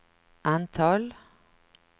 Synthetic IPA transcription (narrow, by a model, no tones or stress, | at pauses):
ʔɑnt̪ʰɑl